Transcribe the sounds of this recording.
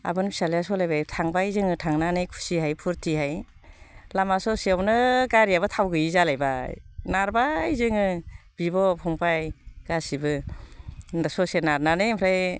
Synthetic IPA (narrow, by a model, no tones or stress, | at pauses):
a̰bɯnpʰi̥salajasɔlajbajtʰaŋbajzɯŋɯtʰaŋnanɯjkʰu̥siɦajpʰuɾtʰihaj | lamasɔseawnɯɡaɾijabɯtʰawɡɯjizalajbanaɾbajzɯŋɯb̥ibɔpʰɔŋpʰajɡ̥asibɯ | nsɔsenaɾnanɯpʰɾaj